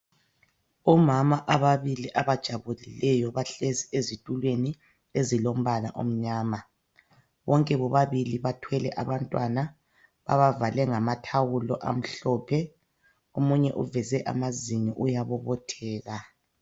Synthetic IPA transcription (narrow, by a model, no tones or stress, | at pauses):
ɔmamaʔaβaβiliʔaβad̥ʒ̥ʱaβulilɛjɔβaɬeziezitʼulweni | ezilom̩βala̰ʔo̰m̩ɲaːma | βɔŋkʼɛβɔβaβiliβatʰwɛlɛʔaβantʼwana | βa̰βavalɛŋamatʰawulɔ̰ʔa̰m̩ɬɔːpʰɛ | omuɲɛʔuvɛzɛʔa̰maziŋiʔujaβɔβɔtʰɛːɣa